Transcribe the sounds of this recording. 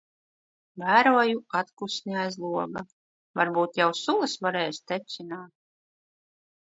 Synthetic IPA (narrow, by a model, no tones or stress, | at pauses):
væːɾuɔjuat̪kusniajzlˠuɔɡa | vaɾbuːt̪jawsulˠɨsvaɾɛːjst̪ɛt̪sʲinaːt̪̚